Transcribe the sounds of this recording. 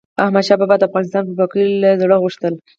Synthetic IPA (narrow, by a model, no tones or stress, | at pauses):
ahmad̪ʃɑbɑbad̪afɣɑnɪst̪ɑnpəpakilzaɽəɣuʂt̪əl